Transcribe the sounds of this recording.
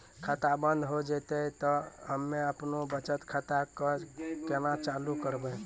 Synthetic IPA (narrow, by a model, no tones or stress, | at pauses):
kʰat̪abənd̪ʱɦod͡ʒɛt̪ət̪ɔɦəmːeəpnobət͡ʃət̪kʰat̪akəkenat͡ʃalukəɾbə